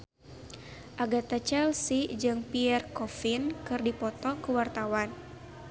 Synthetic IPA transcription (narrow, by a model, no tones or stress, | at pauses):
ʔaɡat̪at͡ʃɛlsid͡ʒɨŋpiɛrkɔfinkɨrdipɔt̪ɔŋkəwart̪awan